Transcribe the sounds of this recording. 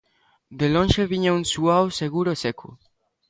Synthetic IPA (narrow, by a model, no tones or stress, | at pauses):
d̪elõnʃeβiɲaunsuawseɣuɾosekʰṵ